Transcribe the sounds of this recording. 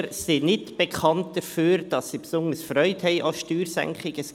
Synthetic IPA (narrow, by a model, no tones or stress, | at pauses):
ɾsinɪtb̥ekʰɑntd̥əfyːɾd̥ɑsːipsʊnəsfrœʏthɛɪʔafʃtyːɾsɛ̰ŋkχɪɡ̥əs